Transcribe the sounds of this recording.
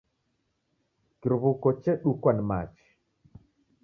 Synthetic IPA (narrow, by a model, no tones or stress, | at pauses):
kiɾβukɔt͡ʃɛɗukwanma̰t͡ʃi̥